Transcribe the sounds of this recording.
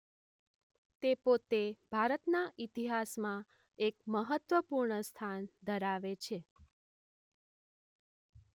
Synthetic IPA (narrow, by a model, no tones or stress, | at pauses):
t̪epot̪eb̥ʱaɾət̪naʔit̪iɦasmã | ek̚məɦət̪ʋəpuɾɳəst̪ʰand̪ʱəɾaʋet͡ʃʰe